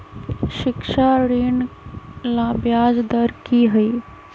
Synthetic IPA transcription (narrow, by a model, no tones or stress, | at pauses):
ʃɪkʃaɾiːn | lãbjaːd͡ʒd̪əɾkiɦəi